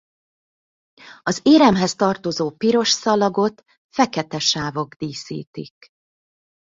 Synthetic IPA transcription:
ɒzeːɾɛmɦɛst̪ɒrt̪o̞zoːpiɾo̞ʃsɒlɒɡo̞t̪ | fɛkɛt̪ɛʃaːvo̞ɡd̪iːsḭːt̪ḭk

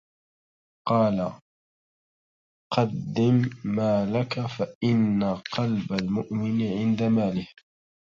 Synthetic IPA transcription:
qɑːla | qɑd̪ːɪmːaːlakafaʔɪnːaqɑlbalmʊʔmɪnʕɪnd̪amaːlɪh

